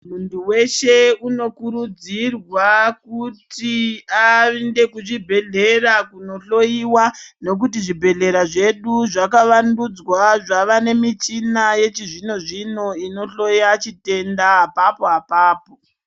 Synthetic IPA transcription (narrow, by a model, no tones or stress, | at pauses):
munduwe̞ʃe̞uno̞kuɾud͡zirwakutiainde̞kuʐibʱe̞ɮe̞rakuno̞ɬo̞jiwane̞k̬ut̬iʐibʱe̞ɮe̞ɾaʐe̞ɗuʐakaʋandud͡zwaʐaʋane̞mit͡ʃinaje̞t͡ʃiʐino̞ʐino̞ino̞ɬo̞jat͡ʃite̞ndaɦapapoɦapaːpo